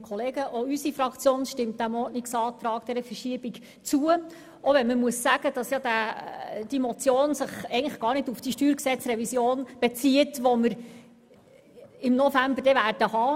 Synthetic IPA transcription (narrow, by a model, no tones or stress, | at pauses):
kʰɔleːɡəʔoysifɾɑkt͡sjoːnʃtɪmt̚d̥æmɔːtnɪksɑːt̪ɾɑːkd̥ɛɾəfərʃiəb̥iɡ | t͡suə | ʔɔʋɛnməmuəsːæɡ̥əd̥ɑsjɑd̥æ | d̥imɔt͡sjoːnsɪχɛɪɡəŋləχɡ̥ɑːɾnɪdufd̥iʃtyːɾksɛt͡sɾɛvisjoːnb̥ɛt͡siətʋɔməɾ | ɪmnɔfæmbərdɛvæːrd̥əhɑː